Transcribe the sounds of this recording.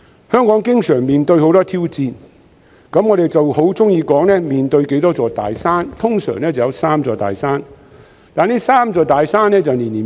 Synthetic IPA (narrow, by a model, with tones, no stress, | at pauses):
hœː˥ŋkɔː˨˥ŋkɪ˥ŋsœː˨˩ŋmiː˨nt̪ɵ˧ɥho˨˥wt̪ɔː˥t̪ʰiː˥wt͡siː˧n | kɐ˨˥mŋɔː˨˧ɾe˨˩jt͡sɐ˨˩who˨˥wt͡sʊ˥ŋjiː˧kɔː˨˥ŋnɛː˥miː˨nt̪ɵ˧ɥke˨˥jt̪ɔː˥t͡sɔː˧t̪a̰ː˨jsaː˥nt̪ʰʊ˥ŋsœ̰ː˨˩ŋnɛː˥t͡sɐ˨wjɐ˨˧wsaː˥mt͡sɔː˧t̪a̰ː˨jsaː˥n | t̪aː˨niː˥saː˥mt͡sɔː˧t̪aː˨jsaː˥nːɛː˥t͡sɐ˨wniː˨˩niː˨˩